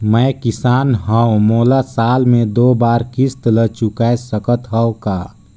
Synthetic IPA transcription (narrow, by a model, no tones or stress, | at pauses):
məjkɪsaːnɦə̃moːlasaːlmẽd̪oːbaːɾkɪst̪lət͡ʃukasəkət̪ɦəõkaː